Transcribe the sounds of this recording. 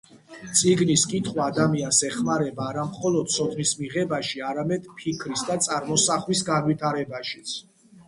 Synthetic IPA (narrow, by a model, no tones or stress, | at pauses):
t̪sʼiɡniskʼit̪ʰχwaːd̪amiansɛχmaɾɛbaːɾamχɔlɔd̪̥̚sʰɔt̪ʰnismiʁɛbaʃiaɾamɛd̪pʰikʰɾisd̪at̪sʼaɾmɔsaχwisɡanwit̪ʰaɾɛbaʃi̥t̪sʰ